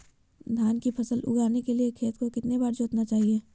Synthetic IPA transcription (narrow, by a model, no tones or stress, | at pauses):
d̪ʱjaːnkipʰɐsəlʊ̰ɡaːɾnekeliekʰeːt̪kokɪt̪nebaːɾd͡ʒoːt̪nat͡ʃaːɦieː